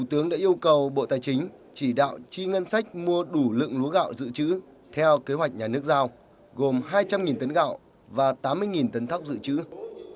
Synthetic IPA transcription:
t̪ʰu˨˩t̪ɨ˨˦əŋɗa̰ː˧˥ʔi˧əwkə˨˩wɓo̰˧˨t̪aː˨˩jt͡ɕï˨˦ŋ̟ | t͡ɕi˧˩ɗa̰ː˧˨wt͡ɕi˧ŋə˧nsa˦˥jk̚mu˧əɗu˧˩lɨ̰˧˨əŋlu˨˦əɣa̰ː˧˨wzɨ̰˧˨t͡ɕɨ̰˧˥ | t̪ʰɛ˧wke˨˦ɦwa˨˩jk̚ɲaː˨˩nɨ˦˥ək̚zaː˧w | ɣo˨˩mɦaː˧jt͡ɕa˧mŋi˨˩nt̪ə˨˦nɣa̰ː˧˨w | vaː˨˩t̪aː˨˦mːɨ˧əjŋi˨˩nt̪ə˨˦nt̪ʰa˦˥wk͡p̚zɨ̰˧˨t͡ɕɨ̰˧˥

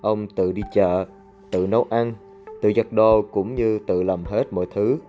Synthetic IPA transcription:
ʔə˧wŋ͡mt̪ɨ̰˧˨ɗi˧t͡ɕə̰ː˧˨ | t̪ɨ̰˧˨nə˨˦wʔa˧n | t̪ɨ̰˧˨za˨˩k̚ɗo˨˩kʊ̰˧˥ŋ͡mɲɨ˧t̪ɨ̰˧˨lə˨˩mɦe˦˥t̚mɔ̰˧˨jt̪ʰɨ˨˦

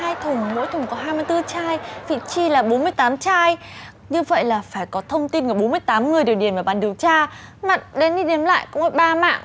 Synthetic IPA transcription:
haː˧jt̪ʰʊ˨˩ŋ͡mmo̰˧˥jt̪ʰʊ˨˩ŋ͡mkɔ˨˦ɦaː˧jmɨ˧əjt̪ɨ˧t͡ɕaː˧jvḭ˧˨t͡ɕi˧laː˨˩ɓo˨˦nmɨ˧əjt̪aː˨˦mt͡ɕaː˧j | ɲɨ˧və̰˧˨jlaː˨˩faː˧˩jkɔ˨˦t̪ʰə˧wŋ͡mt̪i˧nkɨː˧˩ɓo˨˦nmɨ˧əjt̪aː˨˦mŋɨ˨˩əjɗi˨˩wɗḭ˧˩ənvaː˨˩ɓaː˨˩nɗi˨˩əwt͡ɕaː˧ | ma˨˩t̚ɗe˨˦nɗi˧ɗe˨˦mla̰ː˧˨jkʊ̰˧˥ŋ͡mʔə˨˧˦ɓaː˧ma̰ː˧˨ŋ

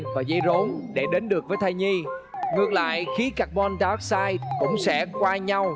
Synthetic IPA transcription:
vaː˨˩zə˧jzo˨˦nɗe˧˩ɗe˨˦nɗɨ˨˩ək̚vəː˨˦jt̪ʰa˧jɲi˧ŋɨ˨˩ək̚la̰ː˧˨jxi˨˦ka˨˩k̚mɔ˧nɗaː˨˦˥k̚saː˧jkʊ̰˧˥ŋ͡msɛ̰˧˥kwaː˧ɲa˧w

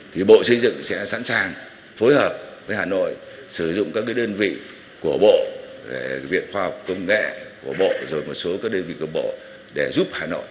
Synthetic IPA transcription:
t̪ʰi˨˩ɓo̰˧˨sə˧jzɨ̰˧˨ŋsɛ̰˧˥sa̰˧˥nsaː˨˩ŋ | fo˨˦jhəː˨˩p̚vəː˨˦jhaː˨˩no̰˧˨j | sɨ˧˩zʊ̰˧˨ŋ͡mkaː˦˥k̚ːaː˨˦jɗəː˧nvḭ˧˨ | ku˧˩əɓo̰˧˨ve˧˩vḭ˧˨ənxwaː˧hk͡pp̚kə˧wŋ͡mŋḛ˧˨ku˧˩əɓo̰˧˨zo˨˩jmo˨˩t̚so˨˦kaː˦˥k̚ɗəː˧nvḭ˧˨kə˧˩ŋ͡mɓo̰˧˨ | ɗe˧˩zu˦˥p̚haː˨˩no̰˧˨j

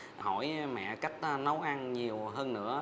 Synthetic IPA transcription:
hɔ˧˩jmɛ̰˧˨ka˦˥jk̟̚nə˨˦wʔa˧nɲi˨˩əwɦəː˧nːɨ̰˧˥ə

